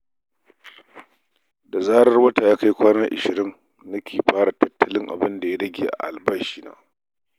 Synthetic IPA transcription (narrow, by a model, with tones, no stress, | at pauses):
da˨zaː˦ɽɐ˦rwɐ˦taː˨jaː˦ka˦jkʷaː˦na˦ʔɪ̰˨ʃɪ˨ɾɪ˦ŋ | nɐ˦kʲʰeː˨ɸaː˦ɽa˨tɐ˦tːɐ˦lɪ˦ŋʔa̰˨bɪ˦nda˨ja˦ɽɐ˦ɡʲeː˨ʔa̰˨ʔa˨lbɐ˦ʃiː˦na̰ː˦